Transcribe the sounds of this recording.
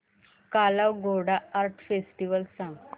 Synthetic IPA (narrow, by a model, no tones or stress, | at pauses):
kalawɡʱoɽaːɾʈʰfesʈiʋəlsãŋ